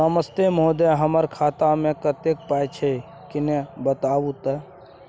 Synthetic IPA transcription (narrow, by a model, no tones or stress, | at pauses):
əməst̪emod̪eɦəməɾkʰaːt̪amẽkət̪ek̚pajt͡ʃʰe | kɪnebət̪aːʋut̪ə